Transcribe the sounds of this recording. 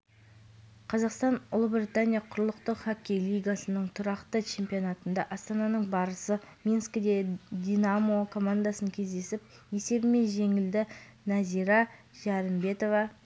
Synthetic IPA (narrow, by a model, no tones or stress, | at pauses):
qʰɑzɑqst̪ɑnʊlˠəbɾʲit̪anʲijaqʰʊɾəlˠəqt̪əqχakʲːejlʲˠijɡasənəɴt̪ʰʊɾɑqt̪ət͡ʃʰe̞mpʲio̞nat̪ənd̪ɑʔɑst̪ɑnɑnəɴbɑɾəsəmʲinskʲɪd̪e̞d̪ʲinamo̞kʰo̞mand̪asəŋkʲʰe̞zd̪e̞sɪp̚ | je̞se̞bɪme̞nʒe̞ŋɪld̪ɪ | nɑzijɾɑ | ʒ̥ɑɾəmbe̞t̪o̞vɑ